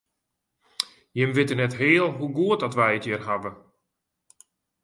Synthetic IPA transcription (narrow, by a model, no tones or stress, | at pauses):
jɪmʋɪtənɛtɦɪːəlˠɦuɡuət̚dɔtʋɛjətjərɦavə